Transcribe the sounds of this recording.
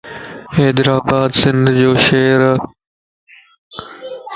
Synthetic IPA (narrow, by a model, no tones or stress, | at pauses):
eːd̪ɾaːbaːd̪sɪ̃nd̪ʱd͡ʑoːʃeːɾ